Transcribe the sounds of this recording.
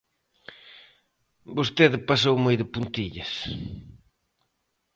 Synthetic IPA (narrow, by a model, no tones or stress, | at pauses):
bost̪eðɪpasowmojðɪpunt̪iʎɐs